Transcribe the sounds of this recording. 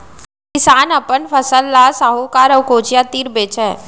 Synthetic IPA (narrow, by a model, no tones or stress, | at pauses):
kɪsaːnɐpənfʰəsəlːasaɦokaːɾəʋkoːt͡ʃjat̪iːɾbeːt͡ʃɛː